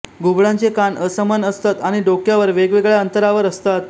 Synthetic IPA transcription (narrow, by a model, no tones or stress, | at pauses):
ɡubɭãnt͡sekanəsəmənəst̪at̪aɽ̃iɖokjaʋəɾʋeɡʋeɡɭjaənt̪əɾaʋəɾəst̪at̪̚